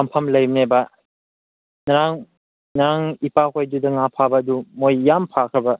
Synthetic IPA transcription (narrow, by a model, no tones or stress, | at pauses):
ampʰamlɐjmnebɐ | nɾaŋ | nɾaŋipakʰojdudɐŋapʰabaːdumojːampʰakʰɐbɐ